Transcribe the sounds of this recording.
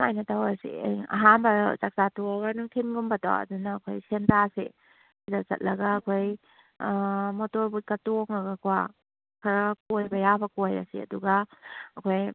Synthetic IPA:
ŋajnɐtawasḭjɐ̰ɦanbɐzak̚t͡ʃatuɡanutʰinɡumbɐta̰ɐ̰dunɐːkʰojsentasḛ | sidat͡ʃɐ̰t̚lɐɡɐːkʰoj | motoɾbukɐtoŋɐɡɐkwa | kʰɐɾɐkojbɐjabɐkojɐ̰sḭɐ̰duɡɐɐkʰoj

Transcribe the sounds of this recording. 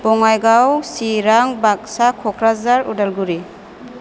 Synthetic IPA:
b̥ɔŋajɡawsiɾaŋbak̚sakʰɔkʰɾazaɾṵdalɡuɾi

